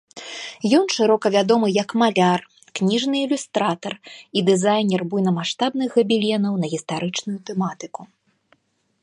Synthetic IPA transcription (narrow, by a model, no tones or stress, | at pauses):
jɔnʂɨɾɔkɐvʲad̪ɔmɨjɐkmalʲar | knʲiʐnɨːlʲust̪ɾat̪ɐrid̪ɨzajnʲɛrbujnɐmaʂt̪abnɨxɣɐbʲilʲɛnɐwnɐɣʲist̪aɾɨt͡ʂnujut̪ɛmat̪ɨku